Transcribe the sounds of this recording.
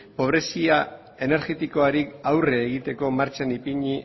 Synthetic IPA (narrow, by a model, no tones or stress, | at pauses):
po̞β̞ɾe̞sia | e̞ne̞ɾɣe̞t̪iko̞aɾikawre̞ːɣ̞it̪e̞ko̞maɾt͡ʃanipiɲi